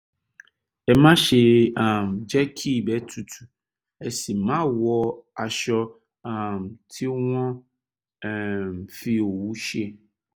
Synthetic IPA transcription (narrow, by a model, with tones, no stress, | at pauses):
ɛ˨mã˦ʃe˨a˨md͡ʒɛ˦kʰi˦bɛ˦tʰu˨tʰu̥˨ | ɛ˨si˨mã˦wɔ˨a˨ʃɔ˦ | a˨mtʰi˦w̃ɔ̃˦˨ | mfi˦o˨wu˦ʃi˦e˦˨